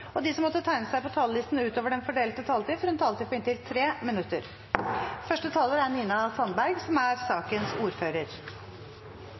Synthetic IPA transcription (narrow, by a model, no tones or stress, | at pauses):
ɔd̪ɪːsɔmːɔt̪ːət̪ʰæɪnəsæɪpɔt̪ʰɑːllɪst̪n̩ʉːt̪oːʋəɖɛnfɔɖeːlət̪ət̪ʰɑːlt̪iːfɔɾɛnt̪ʰɑlt̪iːpʰɔɪnt̪ɪlt̪ʰɾeːmɪnʉt̪ːəɾ | fœʂʈət̪ʰɑːləɾæɾniːnɑsɑnbæɾɡsɔmæɾsɑːkənsuːɾføːɾəɾ